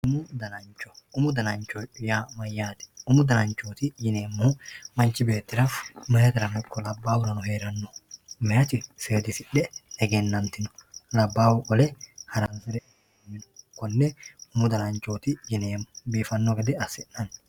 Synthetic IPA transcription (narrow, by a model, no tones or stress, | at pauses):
ʔʊmʊd̪ɐnɐnt͡ʃːɔʊmʊd̪ɐnɐnt͡ʃːɔʊjaːmɐjːaːt̪ɪ̥ʊmʊd̪ɐnɐnt͡ʃːoːt̪ɪjɪne̞ːmːʊmɐnt͡ʃːɪbe̞ːt̪ːɪɾɐmɐjɐt̪ɐɾɐmɛkːɔlɐbːaːwʊɾɐnɔheːɾɐnːɔmɛjɐt̪ɪse̞ːd̪ɪsɪᶑːɛːɡɛnːɐnt̪ːɪnɔ̥lɐbːaːwʔɔlɛhɐɾɐnsɐɾɛ | mːɪnɔkːɔnːɛʊmʊd̪ɐnɐnt͡ʃːoːt̪ɪjɪneːbeːfɐnːɔɡɛd̪ɛɐsːɪʔːɐn